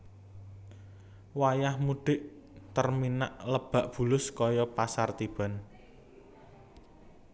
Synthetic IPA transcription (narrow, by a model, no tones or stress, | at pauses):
wajahmuɖ̥ɪ̤ʔ | t̪ərmina̰ʔləb̥a̤ʔb̥ṳlʊskɔjɔpasart̪ib̥a̤n